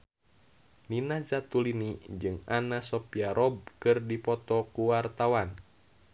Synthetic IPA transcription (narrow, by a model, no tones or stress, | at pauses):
ninazat̪ulinid͡ʒɨŋanasɔpiaɾʔɔb̚kɨrdipɔt̪ɔkuwart̪awan